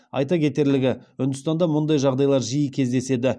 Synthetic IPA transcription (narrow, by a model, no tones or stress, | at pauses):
ɑ̰jt̪ɑkʲʰe̞t̪e̞ɾlɪɡʲɪʏnd̪ɪst̪ɑnd̪ɑmʊnd̪ɑjʒɑʁd̪ɑjlˠɑɾʒijəkʲʰe̞zd̪e̞se̞d̪ɪ